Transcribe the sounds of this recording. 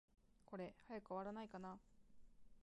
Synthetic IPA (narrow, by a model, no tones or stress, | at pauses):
ko̞ɾe̞hajakɯoβaɾanaikana